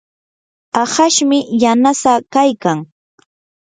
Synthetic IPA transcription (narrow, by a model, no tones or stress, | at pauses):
ahaʃmɪjanasakajkaŋ